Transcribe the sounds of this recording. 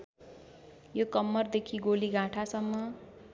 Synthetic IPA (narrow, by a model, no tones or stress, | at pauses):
jokʌmːʌrd̪ekʰiɡoliɡʱãʈʰasʌmːʌ